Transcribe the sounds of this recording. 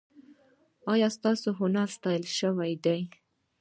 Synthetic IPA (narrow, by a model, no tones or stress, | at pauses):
ɑjɑst̪ɑsoɦʊnɑɾst̪ɑjəlʃəwajd̪aj